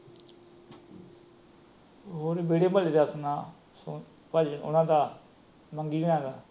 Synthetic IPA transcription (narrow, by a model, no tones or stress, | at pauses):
ɦoːɾebeːɽeːməld͡ʒaːsənaː | s | pəlʊ̰nãːd̪aː | məŋɡiːɡəɽãːɡaː